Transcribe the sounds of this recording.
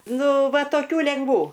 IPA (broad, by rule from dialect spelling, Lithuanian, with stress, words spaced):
ˈnʊ ˈʋɐ toːˈkʲuː lʲɛŋɡˈʋuː